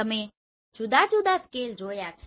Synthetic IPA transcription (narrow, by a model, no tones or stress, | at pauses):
əmẽ | d͡ʒud̪ad͡ʒud̪askeːld͡ʒoːjat͡ʃʰ